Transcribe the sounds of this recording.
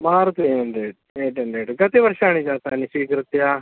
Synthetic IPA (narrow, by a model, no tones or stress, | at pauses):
maːɾt̪enɖ̪eːʈ | eːʈeɳɖeːʈɡɐt̪eʋəɾʃaːɳ̃id͡ʒaːt̪aːnĩʃiːkɾɪt̪jaː